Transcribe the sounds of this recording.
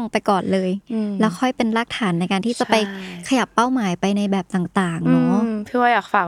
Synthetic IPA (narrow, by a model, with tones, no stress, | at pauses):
ŋpa˧jkɔː˨˩nlɤː˧jlɛː˦˥wkʰɔ˥˩jpe˧nlaː˦˥˩k̚t̪ʰaː˩˦nːa˧jkaː˧nt̪ʰiː˥˩t͡ɕa˨˩pa˧jkʰa˧ja˨˩pːa˥˩wmaː˩˦jpa˧jna˧jbɛː˨˩p̚t̪aː˨˩ŋt̪aː˨˩ŋnɔː˦˥tʰɯ˥˩waː˧˩jaː˨˩k̚faː˨˩